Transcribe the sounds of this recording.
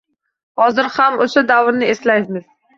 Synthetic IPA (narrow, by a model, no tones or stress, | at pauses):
hɒzɪɾhamoʃad̪awɾnɪeslaj̪mɪz̥